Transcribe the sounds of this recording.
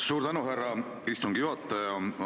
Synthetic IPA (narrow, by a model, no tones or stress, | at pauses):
suːɾd̪ænuɦærːɑ | ist̪uŋɡ̥ijuhɑt̪ːˑɑjɑ